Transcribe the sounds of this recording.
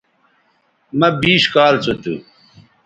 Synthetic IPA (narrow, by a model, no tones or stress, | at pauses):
mɐbiːɕkaːlt͡sut̪ṵ